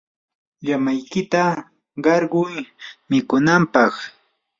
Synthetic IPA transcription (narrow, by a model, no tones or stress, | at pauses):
ʎamajkɪt̪a | ɢɑɾɢʊjmɪkʊnampɑχ